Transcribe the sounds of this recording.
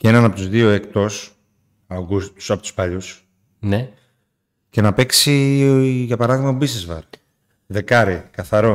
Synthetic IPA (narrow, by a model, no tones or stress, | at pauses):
cee̞nɐnɐpo̞t̪uzðio̞e̞kt̪o̞s | ɐɡust̪u̥sɐpo̞t̪u̥spɐʎus | ne̞ | ce̞nɐpe̞ksi | ʝɐpɐɾɐðiɣmɐt̪obiznezvɐ̰ɾk | ðe̞kɐɾikɐθɐɾo